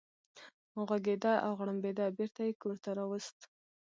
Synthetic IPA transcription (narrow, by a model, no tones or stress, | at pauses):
ɣwaɡed̪aʔawɣɽambed̪abeɾt̪ajekoɾt̪aɾɑwəst̪